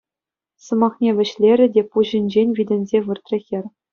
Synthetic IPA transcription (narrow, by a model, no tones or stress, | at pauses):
sɤ̆mɑχnʲeʋʲɘ̆ɕlʲeɾʲɘ̆dʲepuʑɘ̆nʲd͡ʑenʲvʲidʲɘ̆nʲzʲeʋɯrt̪ʲrʲɘ̆xʲɘ̆rʲ